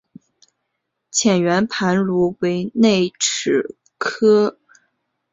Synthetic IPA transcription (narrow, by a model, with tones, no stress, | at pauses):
t͡ɕʰjɛ˨˩nɥɛ˧˥npʰa˧˥nlu˧˥we˧˥ɪne˥˩ɪʈ͡ʂʰɻ̩˨˩ | kʰɤ˥